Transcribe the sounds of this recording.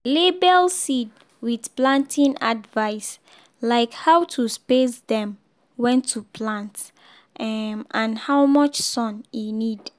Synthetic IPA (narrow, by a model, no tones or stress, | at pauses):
lebɛlsid | widplãntʰĩna̰dvaɪs | laɪkhawtʰuspesdɛ̃m | wɛ̃ntʰːupʰlãnt | ʔãnhawmɔt͡ʃsɔ̃ninid